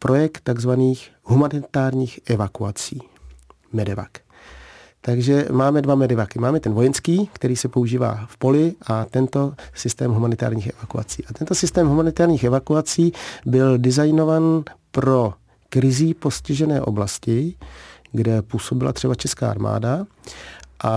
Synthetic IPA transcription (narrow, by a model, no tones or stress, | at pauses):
pɾʔo̞jɛkt̪tːaɡzvaniːxɦumanɪt̪aːɾɲiːxʔɛvakuat͡siː | mɛdɛva̰k | t̪aɡʒɛmaːmɛdvamɛdɛvakɪmaːmɛt̪ɛnvo̞jɛnskiːkt̪ɛɾiːsɛpo̞uʒiːva̰ːfpo̞lɪʔat̪ɛnt̪o̞sɪst̪ɛːmɦumanɪt̪a̰ːɾɲiːxɛvakua̰t͡siːʔat̪ɛnt̪o̞sɪst̪ɛːmɦumanɪt̪aːɾɲiːxɛvakuat͡siːbɪldɪzajno̞vaːnpɾo̞ | kɾɪziposcɪʒɛnɛ̰ːʔo̞̰blascɪ | ɡdɛpuːso̞bɪla̰t̪r̝̥ɛbat͡ʃɛska̰ːa̰ɾma̰ːda | ʔa